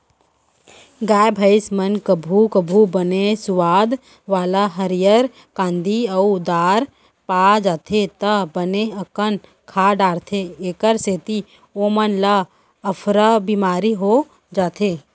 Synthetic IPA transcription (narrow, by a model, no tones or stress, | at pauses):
ɡaːbʱəɪsmənkəbʱukəbʱubənesʊʋaːd̪ | ʋaːlaɦəɾijəɾ | kãːnd̪iəud̪aːɾ | paːd͡ʒaːt̪ʰet̪əbəneɐkən | kʰaːɖaːɽt̪ʰeeːkəɾseːt̪i | oːmənləː | pʰɾəbimaːɾiɦo | d͡ʒaːt̪ʰeː